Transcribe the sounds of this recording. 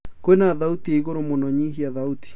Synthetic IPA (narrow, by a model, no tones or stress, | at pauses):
koenaðaut̪ieiɣoɾomonɔɲiɦiaðaut̪i̥